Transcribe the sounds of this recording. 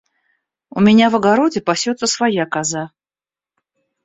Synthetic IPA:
ʊmʲɪnʲavəɡɐɾodʲɪpɐsʲot̪səsvɐjakɐza

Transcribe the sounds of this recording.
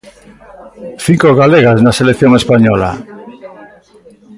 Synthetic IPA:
θiŋkoɣaleɣaznaselekθjoŋespaɲɔla̰

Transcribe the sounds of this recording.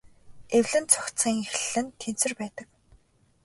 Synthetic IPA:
ewɮɘ̆nt͡sʰʊ̥kt͡siːŋxiɮɘ̆nt̪ʰensɘ̆rpæːt̪ə̆k

